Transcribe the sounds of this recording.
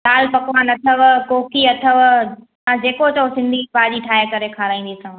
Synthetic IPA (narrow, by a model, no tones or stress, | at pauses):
laːlpɐkʋaːnɐt̪ʰəʋkoːkiɐt̪ʰəʋ | mãd͡ʑeːkot͡ɕɐosɪ̃nd̪ʱipaːʄiʈʰaːɦekɐɾekʰaːɾaːĩːn̆d̪isã